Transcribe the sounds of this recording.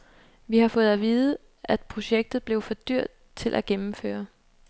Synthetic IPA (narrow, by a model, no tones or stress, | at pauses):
ʋihɑ̈fɔ̽ːð̞̩ˠæʋiːðˠə | ʔæd̥̚pʰʁo̝ɕeɡ̥̚d̥ð̞̩ˠb̥le̝ʊfɒ̽d̥yɐ̰d̥̚ | t͡sʰe̝lʔæɡ̥emm̩fø̰ːɐ